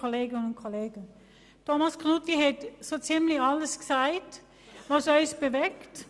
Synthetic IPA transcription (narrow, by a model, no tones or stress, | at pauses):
oleːɡɪnənʊnt̚kʰoleːɡən | tʰomɑsknutiɦɛtsot͡simlɪçɑləsɡ̥saɪt | vɑsɔʏsb̥əvɛkt